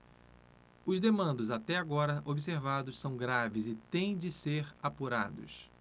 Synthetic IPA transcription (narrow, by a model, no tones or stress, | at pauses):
ʊzd̪emɐ̃nd̪ʊzat̪ɛaɡɔɾɐʔobiseɾvad̪ʊssɐ̃w̃ɡɾavɪzɪt̪ẽj̃d͡ʒɪseɾapuɾa̰d̪ʊ̰s